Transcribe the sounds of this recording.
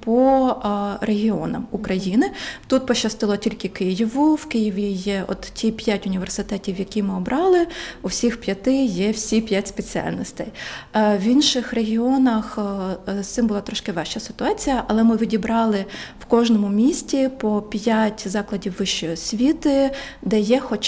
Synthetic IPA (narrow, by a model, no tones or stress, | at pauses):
pɔ | rʔeɦʲiɔ̰nɐ̰mukɾɐjinɪt̪ut̪̚pɔʃɐst̪ɪlˠɔtʲilʲkɪkɪjiʋʊwkɪjiʋʲijɛɔ̰t̪tʲʰipʲjatʲʊnʲiʋersɪt̪ɛtʲiwjɐkʲimɪɔbɾʔɑlˠɪusʲixpʲjɐt̪ɪjɛwsʲipʲjatʲspet͡sʲiɑ̰lʲnɔsʲt̪ɐjwinʃɪxreɦʲiɔnɐxst̪ɪmbʊlˠɑt̪ɾɔʃkɪʋɛʃt͡ʃɐsɪ̥t̪ʊɑt͡sʲijɐʔɐlˠɛmɪʋʲidʲibɾɑlˠɪwkɔʒnɔmʊmʲisʲtʲipɔpʲjatʲzɑklˠɐdʲiwːɪʃt͡ʃɔjɔsʲʋʲit̪ɪ | d̪ɛjɛxɔt͡ʃ